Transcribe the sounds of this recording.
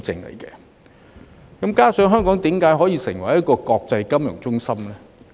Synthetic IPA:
t͡sɪ̰˧ŋlḛ˨˩jkɛ̰˧ | kɐ˨˥mkaː˥sœː˨˥ŋɦœː˥ŋkɔː˨˥ŋt̪iː˨˥mkaː˨˥jɦɔː˨˥jiː˧sɪ˨˩ŋwɐ˨˩jɐ˥t̚kɔː˧kɔː˧k̚t͡sɐ˧jkɐ˥mjʊ̰˨˩ŋt͡sʊ˥ŋsɐ˥mlɛː˥

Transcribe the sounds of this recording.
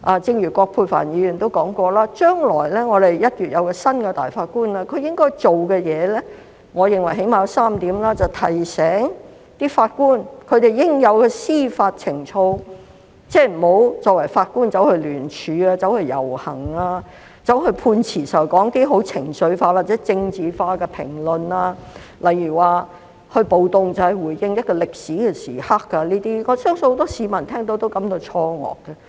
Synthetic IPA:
ʔaː˨˧t͡sɪ˧ŋjyː˨˩kʷɔː˧pʰuː˧fa̰ː˨˩njiː˨˧jyː˨˩nt̪o˥wkɔː˨˥ŋkɔː˧laː˥t͡ʃœː˥ŋlɔ̰ː˨˩jlɛː˥ŋɔː˨˧ɾe˨jjɐ˥t̚ɥyː˨t̚jɐ˨˧wkɛː˧sɐ˥nkɛ˧t̪a̰ː˨jfaː˧t̚kuː˥nlaː˧kʰɵ˨˧ɥjɪ˥ŋkɔː˥jt͡ʃo˨wkɛː˧jɛː˨˧lɛː˥ | ŋɔː˨˧jɪ˨ŋwɐ˨˩jɦe˨˥jmaː˨jɐ˨˥wsaː˥mt̪iː˨˥mlaː˥t͡sɐ˨wt̪ʰɐ˨˩jsɛː˨˥ŋ | t̪iː˥faː˧t̚kuː˥nkʰɵ˨˧ɥt̪e˨jjɪ˥ŋjɐ˨˧wkɛː˧siː˥faː˧t̚t͡sʰɪ˨˩ŋt͡sʰo˧w | t͡sɛː˥˩m̩˨˩ho˨˥wt͡sɔː˧k̚wɐ˨˩jfaː˧t̚kuː˥nt͡sɐ˨˥whɵ˧ɥlyː˨˩nt͡ʃʰyː˨˧aː˧t͡sɐ˨˥whɵ˧ɥjɐ̰˨˩whɐ˨˩ŋaː˧ | t͡sɐ˨˥whɵ˧pʰuː˧nt͡sʰiː˨˩sɐ˨˩wkɔː˨˥ŋk̪e˨˥jɦo˨˥wt͡sʰɪ˨˩ŋsɵ˨˧˥ɥfaː˧t̚wa˨t̚t͡sɛ˨˥t͡sɪ˧ŋt͡siː˨faː˧kɛ˧pʰɪ̰˨˩ŋlɵ˨naː˧lɐ˨jːyː˨˩waː˨ | hɵ˧ɥpo˨wt̪ʊ˨ŋt͡sɐ˨˩whɐ˨˩jwuː˨˩jjɪ˧ŋjɐ˥t̚kɔː˧lɪ˨k̚siː˨˥kɛː˧sḭː˨˩ha˥kːɐ˧liː˥t̪iː˥ŋɔː˨˧sœː˥ŋsɵ˧ho˧˥wt̪ɔː˥siː˨˧mɐ˨˩nt̪ʰɛː˥ŋt̪̬o˧˥wt̪o˥wkɐ˨˥mt̪o˧wt͡sʰɔː˧ŋɔ̰ː˨k̚ːɐ˧

